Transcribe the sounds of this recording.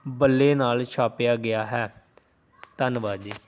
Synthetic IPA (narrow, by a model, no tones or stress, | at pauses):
bəlːeːnaːlt͡ʃʰaːpjaːɡɪjaːɦɛː | t̪ənʋaːd͡ʒiː